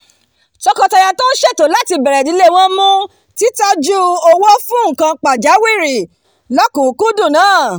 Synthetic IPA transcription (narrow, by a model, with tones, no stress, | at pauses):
t͡ʃɔ˧kɔ˧ta˧ja˧to˦n̩˦ʃe˦˨to˨˦la˦ti˧bɛ˨ɾɛ˨di˨˦le˦˨w̃ɔ̃˦mũ˦ | ti˦ta˦d͡ʒu˦ɔ˧wɔ˦fũ˦ŋ̩˨kã˧k͡pa˨d͡ʒa˨˦wi˦˨ɾi˨ | lɔ˦kũ˨˦ku˦dũ˦˨nãː˨˦˨